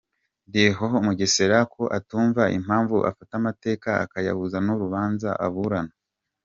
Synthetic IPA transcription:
deɦoɦomuɟeseɾakʰo̞ʔatuːɱvaʔḭm̥haːɱvuʔa̰fatamate̞ːkaa̰kaja̰βuzanuɾuβaːnzaʔa̰βuɾana

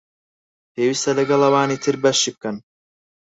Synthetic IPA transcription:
pʰeːwist̪ɐlɐɡɐlɐwaːnit̪ʰɨɾbɐʃːiːb̚kɐn

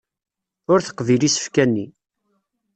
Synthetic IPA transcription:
ʊɾθə̥qːvilisə̥fkænːi

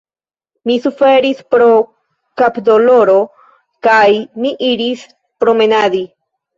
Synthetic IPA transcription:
misufe̞ɾispɾo | kapd̪o̞loɾo̞ | kajmiʔiɾis | pɾo̞me̞nad̪i

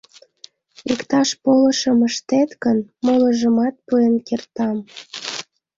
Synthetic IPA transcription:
ikt̪ɑʃpolə̆ʃə̆məʃt̪et̪kənmolə̆ʒə̆mɑt̪̚puenkert̪ɑm

